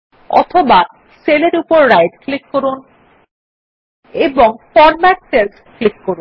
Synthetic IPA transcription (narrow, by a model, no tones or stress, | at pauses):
ɔ̰t̪ʰoba | seleɾupoɾːajɖklikːoɾun | eboŋfɔɾmaʈ̚sels | klikːoɾun